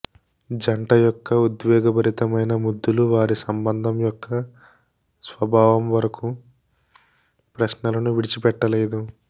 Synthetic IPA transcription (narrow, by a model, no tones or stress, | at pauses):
d͡ʒɐɳʈɐjɔkːɐud̪ʋjɔːɡɐbɐɾit̪ɐmɐjnɐmud̪ːuluʋaːɾisɐmbɐnd̪ʱɐmjɔkːɐ | sʋɐbʱaːʋɐmʋɐɾɐku | pɾɐʃnɐlɐnuʋiɽit͡ʃipɛʈːɐleːd̪u